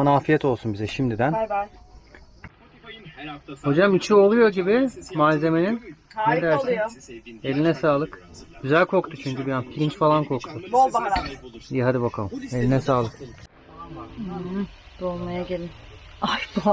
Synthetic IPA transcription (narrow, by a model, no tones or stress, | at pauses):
onaːfijɛt̪ʰo̞lˠsunbizɛʃimd̪id̪æn | ho̞d͡ʒamit͡ʃʰio̞lˠujo̞ɟibɪmaːze̞me̞ninned̪æɾsine̞lʲinɛsaːlˠɯk | ɟ̥yzælʲkʰo̞k̚t̪ʰut͡ʃʰyɲcybijanfiɾʲint͡ʃfalˠankʰo̞kt̪ʰu | ijɛɦad̪ibakʰalˠme̞lʲinɛsaːlˠɯk | d̪̥olˠmajaɟelʲim | ajbu